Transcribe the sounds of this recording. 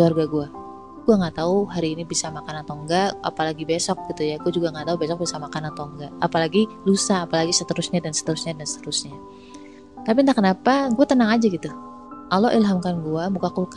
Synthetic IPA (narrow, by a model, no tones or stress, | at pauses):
luarɡaɡua | ɡuaŋat̪auɦaɾiːnibisamakanant̪ɔŋɡaʔa̰palaɡibesɔk̚ɡ̥it̪ujaɡuad͡ʒuɡaŋat̪aubesɔk̚bisamakanant̪ɔŋɡaːpalaɡilusaːpalaɡisət̪əɾʊsɲadansə̥t̪əɾusɲadansə̥t̪əɾʊsɲa | t̪ap̬ind̪aʔkːənapaɡuat̪ənaŋad͡ʒaɡit̪u | ʔalɔʔilɦamkanɡuamukakulka